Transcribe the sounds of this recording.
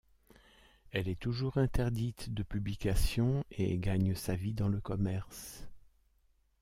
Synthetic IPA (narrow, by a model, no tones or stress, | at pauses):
ɛlɛt̪uʒuʁɛ̃t̪ɛʁd̪it̪d̪əpyblikasjɔ̃ḛɡaɲsavid̪ɑ̃ləkɔmɛʁs